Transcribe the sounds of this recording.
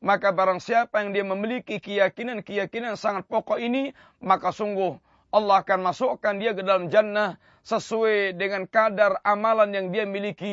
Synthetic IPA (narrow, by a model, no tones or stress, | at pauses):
makabaɾaŋsiapajaŋdiaməmilikikəjakinankəjakinansaŋat̪̚pɔkɔini | makasuŋɡʊh | ʔɑlːɑɦakanmasukandiakədalamd͡ʒanːa | səsuadəŋankadaramalanjaŋdiamiliki